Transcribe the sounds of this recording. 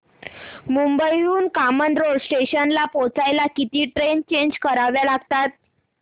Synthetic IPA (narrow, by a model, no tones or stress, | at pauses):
mumbəjuːnkamənd̪ɾoɽsʈeɕənlapot͡sajlakit̪iːʈɾent͡ɕeɲd͡ʑkəɾaʋjalaɡt̪at̪̚